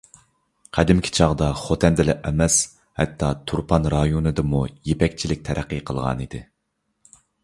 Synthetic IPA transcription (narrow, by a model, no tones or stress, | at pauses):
qʰæd̪ɪmkʲʰi̥t͡ʃʰɑʁd̪ɑχot̪ʰɛnd̪ɪlɛʔɛmɛs | hɛ̰t̪ʰːɑt̪ʰuɾpʰɑnɾɑjonɨd̪ɨmujepɛkʲt͡ʃʰilɪk̚ʲt̪ʰɛɾʔæqːɨqʰəlˠʁɑ̰nid̪ɪ